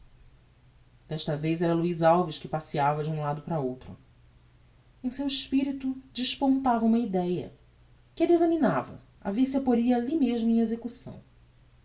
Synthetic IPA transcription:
d̪̥ɛʃt̪ɐvejzɛɾɐluizawviʃkɪpasiavɐd͡ʒɪũlad̪ʊpɾɐowt̪ɾʊ̰ | ẽsewiʃpiɾit̪ud͡ʒɪʃpõnt̪avɐũmɐid̪ɛjɐ̰ | kɪelɪezɐminavɐ̰ | a̰visapoɾiɐaːlimeʒmʊẽezekusɐ̰̃w̃

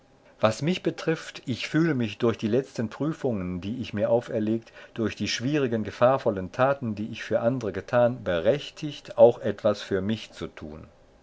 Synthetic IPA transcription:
vasmɪçb̥ətʁ̥ɪftʔɪçfyːləmɪçd̥ʊɐçd̥iːlɛt͡stənpʁ̥yːfʊŋəndiːɪçmiːɐʔaʊfɛɐleːk̚td̥ʊɐçd̥iːʃv̥iːʁɪɡənɡəfaːɐfɔləntʰaːtn̩diːɪçfyːɐʔandəʁəɡətʰaːnbəʁɛçtʰɪçtʔaʊxʔɛtv̥asfyːɐmɪçt͡sutʰṵːn

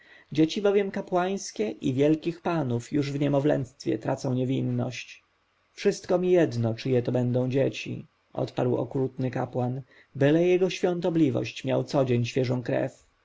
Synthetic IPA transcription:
d͡ʑet͡ɕibɔvʲjɛmkapwaj̃skʲɛʔivʲjɛlkʲixpanufjuʐvɲɛmɔvlɛ̰nst̪fʲjɛ̰t̪ɾat̪sɔ̃w̃ɲevʲinːɔɕt͡ɕ | fʂɘst̪kɔmʲijɛd̪nɔt͡ʂɘjɛt̪ɔbɛnd̪ɔ̃w̃d͡ʑet͡ɕḭ | ʔɔ̰t̪paɾwɔ̰kɾut̪nɘkapwan | bɘlɛjɛɡɔɕfʲjɔ̃nt̪ɔblʲivɔ̰ɕt͡ɕmʲja̰wt̪sɔd͡ʑeɲɕfʲjɛʐɔ̃w̃kɾɛ̰f

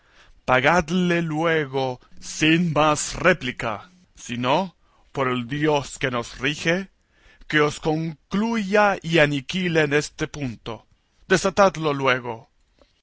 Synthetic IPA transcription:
paɣad̪le̞lweɣosinmasreplika̰ | sino | po̞ɾeld̪jo̞ske̞no̞srixe | keosko̞ŋkluʝaianikileːne̞st̪e̞punt̪o̞ | d̪̥e̞sat̪ad̪lo̞lwe̞ɣo̞

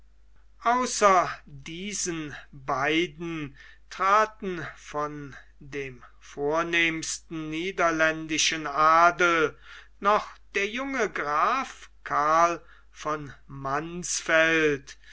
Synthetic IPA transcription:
ʔaʊsɐdiːzənbaɪdn̩ | tʁ̥aːtn̩fɔn | deːm | foːɐneːmstn̩niːdɐlɛndɪʃənʔaːdl̩ | nɔχd̥eːɐjʊŋəɡʁaːfkʰaɐl | fɔnmansfɛlt

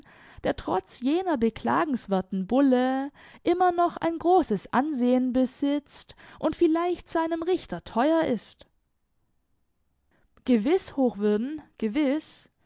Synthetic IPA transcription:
d̥eːɐtʁ̥ɔ̰t͡sjeːnɐbəkl̥a̰ːɡŋ̩sv̥ɛɐtn̩bʊlə | ʔɪmɐnɔχa̰ɪnɡʁoːsəsʔa̰nzeːənbəzɪt͡stʔʊntfɪlaɪçtz̥aɪnəmʁɪçtɐtʰɔʏɐʔɪst | ɡ̥əvɪshoːxv̥ʏɐdn̩ɡ̥əvɪs

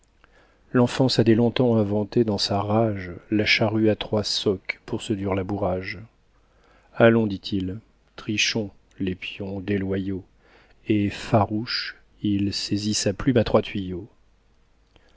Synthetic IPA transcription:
lɑ̃fɑ̃sad̪ɛlɔ̃t̪ɑ̃ɛ̃vɑ̃t̪ed̪ɑ̃saʁaʒlaʃaʁyat̪χwasɔkpuʁsəd̪iʁlabuʁaʒ | alɔ̃d̪it̪ʰil | t̪χiʃɔ̃ | lepjɔ̃d̪elwajo | efaʁuʃ | ilsezisaplymat̪χwat̪ɥijo

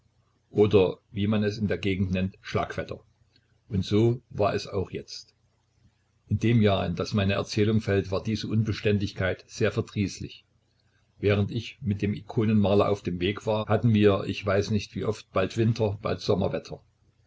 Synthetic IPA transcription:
ʔoːdɐviːmanɛsɪndeːɐɡeːɡŋ̩tnɛntʃla̰ːkv̥ɛtʰɐ̰ | ʔʊntz̥oːvaːɐɛsa̰ʊxjɛ̰t͡st | ʔɪndeːmjaːɪnd̥asmaɪnəʔɛ̰ɐt͡sɛːlʊŋfɛltv̥aːɐdiːzəʔʊnbəʃtɛntlɪçkʰaɪtz̥eːɐfɛɐdʁiːslɪ̰ç | vɛːʁəntɪçmɪt̚d̥eːmikʰoːnənmaːlɐʔa̰ʊfd̥eːmveːkv̥aːɐhatn̩viːɐʔɪ̰çv̥aɪsnɪçtv̥iːʔɔft̚b̥altv̥ɪntʰɐb̥a̰ltz̥ɔmɐ̰vɛtʰɐ

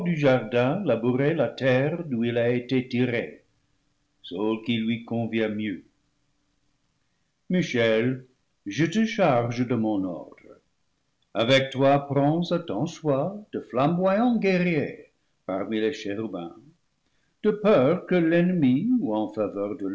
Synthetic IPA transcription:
d̪yʒaʁd̪ɛ̃labuʁelat̪ɛʁduilaetetiʁḛ | solkilɥikɔ̃vjɛ̃mjø | miʃɛl | ʒət̪əʃaʁʒəd̪əmɔ̃nɔ̰ʁd̪̥ʁə | avɛk̚t̪wapʁɑ̃sat̪ɑ̃swad̪̥əflãmbwajɑ̃ɡɛʁje | paʁmileʃɛʁybɛ̰̃ | d̪̥əpœʁkəlɛnmiuɑ̃favœʁd̪ə

